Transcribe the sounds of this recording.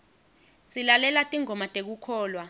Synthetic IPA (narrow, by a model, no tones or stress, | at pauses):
silalɛlatʼiŋɔmatʼek̬ukʰɔːlwa